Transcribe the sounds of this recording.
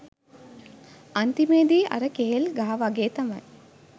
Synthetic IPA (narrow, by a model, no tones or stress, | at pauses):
ɐnt̪imeːd̪iɐ̰ɾɐkeɦelɡaɦɐʋaɡeːt̪ɐmɐ̰n